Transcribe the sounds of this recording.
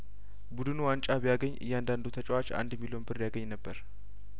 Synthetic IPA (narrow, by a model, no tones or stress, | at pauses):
bud̪ɨnuwant͡ʃʼaβjaɡəɲːɨ̰jːɛand̪and̪ut̪ʰət͡ʃʼwat͡ʃa̰nd̪ɛmːilonbɨɾjaɡəɲːnəbːəɾ